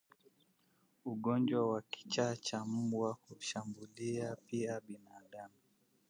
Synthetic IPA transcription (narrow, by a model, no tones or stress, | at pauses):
uɠɔnd͡ʒwawaki̥t͡ʃat͡ʃam̩ɓwahuʃambuliapiaɓinaːɗamu